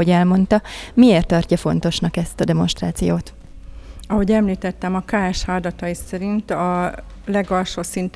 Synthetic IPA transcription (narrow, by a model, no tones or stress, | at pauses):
oɟɛlmo̞nt̪ɒmieːrt̪ːɒrcːɒfo̞n̪t̪o̞ʃnɒkɛst̪ɒd̪ɛmo̞nʃt̪raːt̪sijoːt̪ | ɒɦo̞ɟɛmliːt̪ɛt̪ːɛmɒkaːɛʃhaːld̪ɒt̪ɒjisɛɾint̪ɒ | lɛɡɒlʃoːsint̪